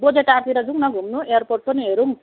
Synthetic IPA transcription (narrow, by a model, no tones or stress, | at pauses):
bod͡zeʈaɾt̪iɾad͡zuŋnaɡʱumnuejarporʈ̚pʌniɦeɾuŋ